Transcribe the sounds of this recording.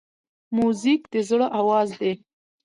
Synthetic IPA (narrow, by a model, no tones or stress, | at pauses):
muzikd̪̥əzɽoʔawɑzd̪e